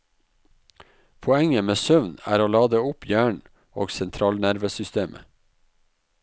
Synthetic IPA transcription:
pʰɔɛŋəmeːsœʋnæ̰ːɾoːlɑːd̪əʊpʰjæːɳ | o̰ːɡsɛnt̪ʰɾɑːlnæɾʋəsʏst̪eːmʔə̰

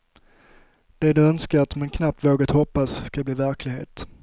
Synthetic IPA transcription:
d̪̥ɛd̪ɵœnskaɾat̪mankʰnap̚t̪voːɡat̪hɔpːasːkabliːvæɾklɪɡhḛːt̪

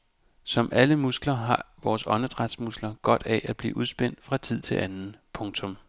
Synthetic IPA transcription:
sɒ̽mʔæləmusɡ̥lɐɦɑ̈ʋɒːsɒ̽nəd̥ʁad̥smusɡ̥lɐɡ̥ɒ̽d̥æʔæ̥b̥lḭːʔuð̞ˠsb̥en̰d̥fʁɑ̈t͡sʰið̞̰ˠt͡sʰe̝lʔænn̩pʰɔ̽ŋt͡sʰɔ̽m

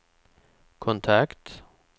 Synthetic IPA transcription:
kʰʊnt̪ʰɑkt̪

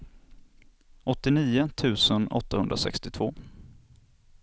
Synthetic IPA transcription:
ɔt̪ːɪniːʊt̪ʰʉ̟ːsənɔ̰t̪ːahɵnd̪ɾasɛ̰kst̪ɪt̪ʰv̥oː

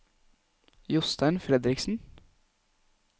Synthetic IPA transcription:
jʊst̪ænfɾɛd̪ɾɪksn̩

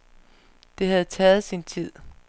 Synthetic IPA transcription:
d̥e̝ɦæð̞̩ˠt͡sʰɛːð̞̩ˠsint͡sʰið̞̰ˠ

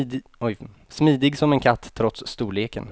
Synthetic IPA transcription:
ɔj | smiːd̪ɪɡsɔmɛnkʰat̪ʰːɾɔt̪sːt̪uːleːkə̰n

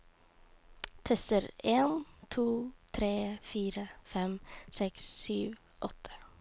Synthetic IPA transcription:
t̪ʰɛsəɾeːnt̪ʰuːt̪ʰɾeːfiːɾəfɛmsɛkssyːʋ | ʔɔt̪ʰə̥

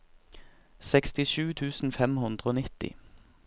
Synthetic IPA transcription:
sɛkst̪ɪʃʉːt̪ʰʉːsn̩fɛmhʉnd̪ʁəoːnɪt̪ɪ̰

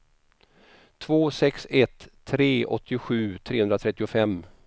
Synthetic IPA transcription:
t̪ʰvoːsɛksɛt̪ʰːɾeːɔ̰t̪ːɪʊɧʉ̟ːt̪ʰɾeːɵnɾat̪ʰɾɛt̪ːɪʊfɛmː

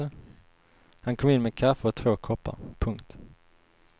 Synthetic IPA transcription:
ə | hankʰɔmɪnmeːd̪kʰafəɔt̪ʰvoːkʰɔpːa̰ɾpʰɵŋkt̪

